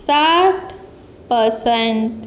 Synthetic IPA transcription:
saʈ | pəɾseɳʈ

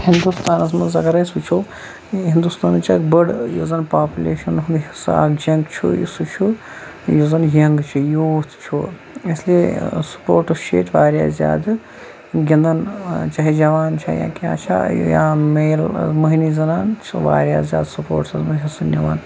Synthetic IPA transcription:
hind̪ust̪aːnɐsmɐnzɐɡɐɾɐsut͡ʃʰoː | ɦind̪ust̪aːnt͡ʃʰɐkbəɽjozɐnpaːpʲulʲḛːʃɐnɦund̪ɦisa̰kd͡ʒɐŋɡt͡ʃʰṵḭsut͡ʃʰu | jozɐnjɐŋɡt͡ʃʰijoːt̪t͡ʃʰo | isliesu̥poːɾʈɐst͡ʃʰḛːt̪ʰʲʋaːɾja̰ːzja̰ːd̪ | ɡʲɐnd̪ɐnt͡ʃɐɦid͡ʒɐʋaːnt͡ʃʰɐ̰jã̰ːkʲã̰ːt͡ʃʰa̰jãːmeːlmɐɦinizɐnaːnt͡ʃʰʋa̰ːɾʲjaːzʲja̰ːd̪supo̰ːɾʈsɐzmɐɦisɐnʲjɐʋaːn

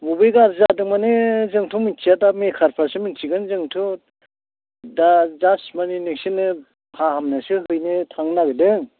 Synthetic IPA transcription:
mubɯjɡaɾzadɯŋmanɯzɯŋtʰumint͡ʃijadamekʰaɾpʰasɯmint͡ʃiɡɯnzɯŋtʰɯ | dazasmaniniksinɯ | kʰahamnasɯɦɯjnɯtʰaŋnaɡɯdɯŋ

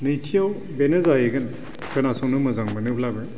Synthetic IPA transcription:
nɯjtʰijaw | benɯzajeɡɯn | kʰanasɔŋnɯmɯzaŋmɯnɯpʰlabɯ

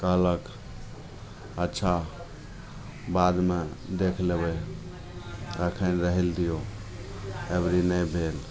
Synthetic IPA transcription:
kəɦlək | ətːʃʰa | bad̪med̪ekʰlebə | əkʰənɾəɦild̪ijo | ebɾinəjbʱel

